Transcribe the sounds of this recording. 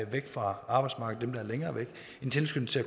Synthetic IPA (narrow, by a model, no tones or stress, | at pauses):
ʋeɡ̥fʁɑ̈ɑ̈ːb̥ɑ̈ɪd̥smɑ̈ɡəd̥emd̥ɑ̈æɐleŋɐːʋeɡ̥ | e̝nt͡sʰe̝lsɡ̥øn̩t͡sʰe̝æ